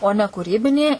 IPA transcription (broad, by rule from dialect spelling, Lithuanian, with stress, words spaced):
oː ˈnʲɛ kuːˈrʲiːbʲɪnʲiː